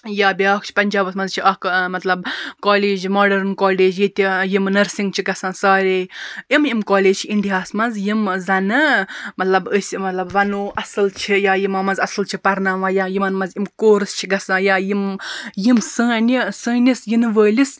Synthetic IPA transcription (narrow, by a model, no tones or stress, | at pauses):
jaːbʲjaːkʰt͡ʃʰi̥pɐnʲd͡ʒaːbɐsmɐnzt͡ʃʰiʔɐkmɐt̪lɐbkɔːleːd͡ʒmoːɖɐɾnkɔːleːd͡ʒjit̪ʲijimnɐɾsĩŋɡ̚t͡ʃʰiɡɐsãːnsaːɾeːimimkoːleːd͡ʒt͡ʃʰiiɳɖijaːsmɐnzjimzɐnɨmɐt̪lɐbəsʲmɐt̪lɐbʋɐnoːʔɐsɨlt͡ʃʰijaːjimɐmɐnzɐsɨlt͡ʃʰipɐɾnaːʋãːjajimɐnmɐzimkoːɾɨst͡ʃʰiɡɐsãːjaːjimjimsɨ̃ːnisɨ̃ːnisjinʋəːlis